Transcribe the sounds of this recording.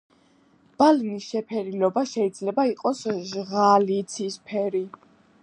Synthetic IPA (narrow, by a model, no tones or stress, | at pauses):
b̥alinisʃɛpʰɛɾilɔbaʃɛid̪zlɛbaiqʼɔsʒʁalit̪sʰispʰɛɾi